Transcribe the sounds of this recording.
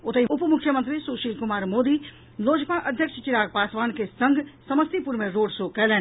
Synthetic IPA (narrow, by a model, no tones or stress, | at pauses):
ʊt̪əjʊpmʊkʰjəmə̃nt̪ɾisuːʃiːlkʊmaːɾmoːd̪i | loːd͡ʒpaʔɐd̪ʱjəkʃt͡ʃɪɾaːɡ̚paːsʋaːnkesɐ̃ŋɡʱsɐməst̪ipʊɾmẽɾoːɖsokɛleː